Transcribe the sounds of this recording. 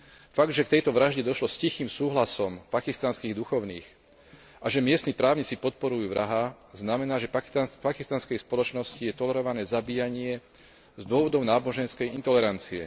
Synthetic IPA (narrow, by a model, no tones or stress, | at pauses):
faɡd̪ʒɛkt̪ɛjt̪ɔʋɾaʒɟɛd̪ɔʃlɔscixiːmsuːɦlasɔmpakist̪anskiːɣd̪uxɔʊnḭːx | ʔaʒɛmɪɛst̪ipɾaːʊɲit͡sipɔt̪̚pɔɾujuːʋɾʔaɦa | znamɛnaːʒɛpaapakist̪anskɛjspɔlɔt͡ʃnɔscijɛt̪ɔlɛɾɔʋanɛːzabiːjaɲɪɛ | zd̪ʊɔʋɔd̪ɔʊnaːbɔʒɛnskɛjint̪ɔlɛɾant͡siɛ̰